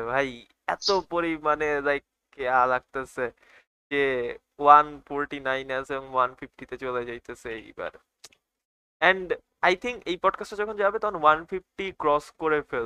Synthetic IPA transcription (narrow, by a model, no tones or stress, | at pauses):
bʱaj | ɛt̪opoɾimanelajk̚ | ealaɡ̚t̪ease | d͡ʑe | wanfoɾʈinajnaseboŋwanfifʈit̪et͡ɕoled͡ʑajt̪eseejba̰ɾ | ɛɳɖ | ajt̪ʰiŋkejpɔɖkasʈad͡ʑɔkʰond͡ʑabet̪ɔkʰonwanfifʈikɾɔskoɾefel